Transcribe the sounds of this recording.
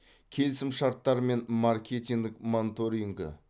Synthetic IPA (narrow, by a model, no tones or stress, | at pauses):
kʲʰe̞lɪsɪmʃɑɾt̪ːɑɾme̞nmarkʲet̪ʲiŋd̪ɪkmont̪oɾiŋɡə̰